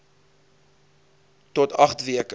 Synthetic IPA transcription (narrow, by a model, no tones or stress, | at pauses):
tɔtɐχtviək